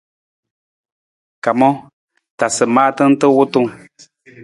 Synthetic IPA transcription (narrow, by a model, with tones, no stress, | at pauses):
ka˨mɔ˦ | ta˨sɨ˨maː˦tɨ˦n̩˦tɨ˦wʊ˦tu˦˨ŋ